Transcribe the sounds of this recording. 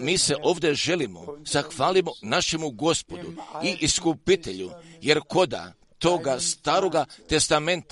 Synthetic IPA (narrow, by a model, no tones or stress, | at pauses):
miːse̞ʔo̞ːʋd̪e̞ʒe̞limo̞̰zaxʋaːlimonaʃe̞muɡo̞spo̞d̪ṵiʔiskupit̪e̞ʎuje̞ɾko̞d̪a̰ | t̪o̞ːɡast̪aːɾo̞ɡat̪e̞st̪ame̞nt̪